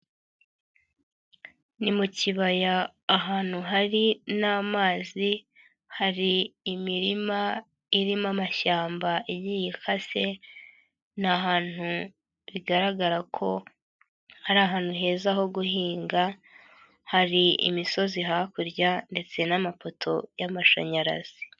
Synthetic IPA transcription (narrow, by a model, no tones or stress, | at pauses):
nimuciβajaː | ɦaːn̥huɦaɾinaːmaːzi | haɾiːmiɾima | iɾimamaʃaːmbaiβjijikʰase̞ | naɦaːn̥u | βiɡaɾaɡaɾakʰo̞ | haɾaːɦaːn̥huɦe̞ːzaho̞ɡuhiːŋɡa | haɾiḭmiso̞ziɦakuɾɟande̞t͡se̞namafo̞tʰo̞jamaʃa̰ɲaɾa̰z̥i